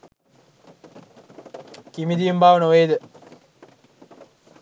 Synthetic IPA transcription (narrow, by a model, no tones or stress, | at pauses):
kimid̪ijumbaːʋənəʋejd̪ə